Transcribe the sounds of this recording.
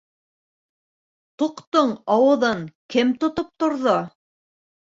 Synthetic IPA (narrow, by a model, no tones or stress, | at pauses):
t̪uqt̪oɴɑwɤ̆ðɤŋkɘmt̪ŏt̪op̚t̪ŏɾðo